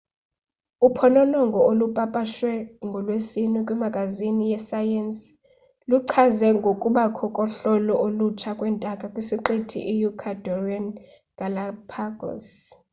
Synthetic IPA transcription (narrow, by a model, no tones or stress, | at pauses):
upʰɔnɔnɔŋɡʱɔolupʼapʼaʃwɛŋɡʱɔlwesinikʼwɛmaɡ̥ʼʱazinijɛsajɛns | luǃʰazɛŋɡʱokʼuɓakʰɔkʼɔɬɔlɔʔolut͡ʃʰakʼwɛntʼakʼakʼwisiǃetʰḭʔijukʰadʱɔrian | ɡ̥ʱalapʰaɡɔ̰s